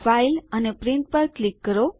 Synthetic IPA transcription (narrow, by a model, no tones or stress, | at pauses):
failənepɾiɳʈ̚pəɾklikːəɾo